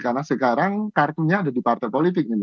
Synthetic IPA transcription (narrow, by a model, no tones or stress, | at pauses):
karnasəkaɾaŋkart̪uɲaːdadipart̪ajpolit̪̬ɪk̚ni